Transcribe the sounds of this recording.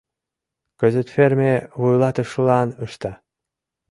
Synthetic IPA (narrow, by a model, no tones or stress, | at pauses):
kə̆zə̆t̪fermeβujlˠɑt̪ə̆ʃlˠɑnɤʃt̪ɑ